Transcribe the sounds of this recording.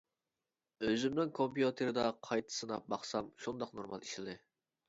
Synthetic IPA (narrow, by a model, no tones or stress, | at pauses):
øzɪmnɪŋkʰompjut̪ʰeɾɨd̪ɑqʰɑjt̪ʰɨ̥sɨnɑbɑχsɑmʃund̪ɑqnoɾmɑ̰lˠiʃlɪd̪ɨ